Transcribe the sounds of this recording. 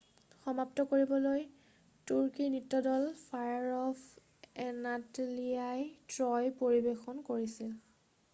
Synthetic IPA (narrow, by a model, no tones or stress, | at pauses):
xɔmap̚tɔkoɹibɔloj | tuɹkinitːɔdɔlpʰajaɹɔp | ɛnatliajtɹɔjpoɹibexɔnkoɹisil